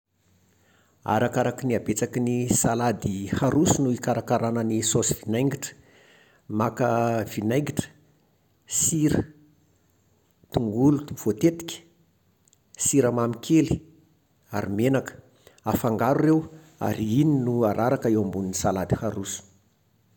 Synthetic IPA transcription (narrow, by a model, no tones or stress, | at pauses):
a̰ɾakaɾakiniabet͡sakinisalad̪ihaɾusunuikaɾakaɾanənisosivinajŋɡiʈ͡ʂə̥ | makəv̥inajŋɡiʈ͡ʂə̥ | siɾə | t̪uŋɡulut̪uv̥ot̪et̪i̥kʲə̥ | siɾamamikʲʰeli̥ | aɾimenakə̥ | afaŋɡaɾurew | a̰ɾiininuaɾaɾakaewambuninisalad̪i̥haɾusu̥